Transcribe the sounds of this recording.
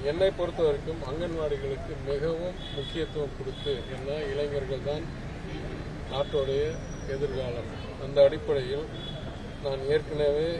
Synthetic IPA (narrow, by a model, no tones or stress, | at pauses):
ɛnːɐɪpːɔɾɯt̪ːɐʋɐɾɯkːɯmɐŋɡɐnʋaːɽɪɣɐɭɯkːɯmɪɣɐʋɯmːʊkːɪjɐt̪ːɯʋɐmkɔɽɯt̪ːɯɛnːaːɪlɐɪŋɡɐɾɣɐɭt̪aːn | aːʈːoːɽɐjɐ | ɛðɪɾɣaːlɐm | ʔɐnd̪ɐːɽɪpːɐɽɐjɪl | naːneːrkɐnɐʋeː